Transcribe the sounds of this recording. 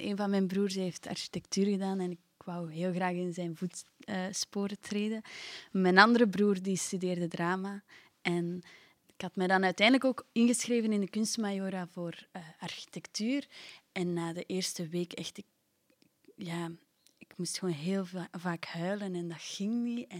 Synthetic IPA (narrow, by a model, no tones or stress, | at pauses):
ʔeːnvɑnmɛjnbruːrsɦeːftɑ̰rʃi̥tɛk̚tyːrɣədaːnɛnɪkwʌwɦeːlˠɣraːɣɪnzɛjnvutəːspoːɾətreːdəmɛnɑndəɾəbruːrdistydeːrdədraːma | ɛn | ɪkhɑtmɛdɑnœɥtɛndələkoːkɪnɣəsxreːvənɪndəkʏnstmajoːɾavoːrɑrxi̥tɛktyːrɛnːaːdəʔeːrstəweːkɛxtɪk̚ | jaː | ɪkmustxəoːnɦeːlˠvaːkhœːɥlənɛndɑtxɪŋniɛ